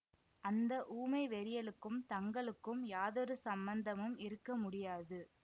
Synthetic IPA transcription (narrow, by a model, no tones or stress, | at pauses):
ʔɐnd̪ɐʔuːmɐɪʋɛɾɪjɐlɯkːɯmt̪ɐŋɡɐɭɯkːɯmjaːðɔɾɯsɐmbɐnd̪ɐmɯmɪɾɯkːɐmʊɽɪjaːðɯ